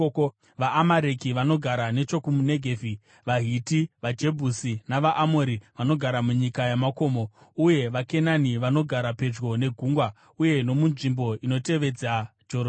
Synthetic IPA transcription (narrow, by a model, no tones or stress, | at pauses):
ʋaʔːmaɾe̞kiʋano̞ɡʱaɾane̞t͡ʃo̞kumune̞ɡʱeːvi | ʋaɦitiʋad͡ʒe̞bʱusinaʋaʔamoɾiʋano̞ɡʱaɾamuɲikajamako̞mouje̞ʋake̞naniʋano̞ɡʱaɾape̞d͡ʒɡo̞ne̞ɡʱuŋɡwa | uje̞no̞munʐimbo̞ino̞te̞ʋe̞d͡zad͡ʒo